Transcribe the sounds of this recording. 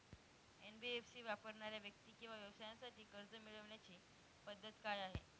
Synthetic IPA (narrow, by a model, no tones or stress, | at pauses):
enbiefsiːʋapəɾɳaɾjaʋjək̚t̪iːkĩw̃ʋaʋjəʋsajasaʈiːkəɾd͡zəmiɭəʋɳjat͡ɕiː | pəd̪ʱːət̪kajaɦḛ